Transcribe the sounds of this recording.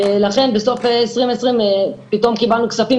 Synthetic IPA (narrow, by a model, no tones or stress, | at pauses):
elaχe̞nbeso̞feesʁimesʁimepito̞mkibalnukt͡safi